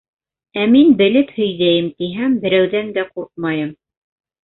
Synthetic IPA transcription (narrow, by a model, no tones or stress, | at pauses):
æminbɘ̆lɘphɵ̆jðæjɘmt̪iɦæmbɘ̆ɾæwðænd̪æquɾq̪̚mɑjɤm